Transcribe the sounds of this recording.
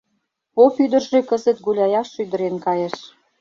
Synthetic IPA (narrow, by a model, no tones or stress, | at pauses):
popyd̪ə̆rʒekə̆zə̆t̪ɡulʲɑjɑʃːyd̪ə̆ɾenkɑjeʃ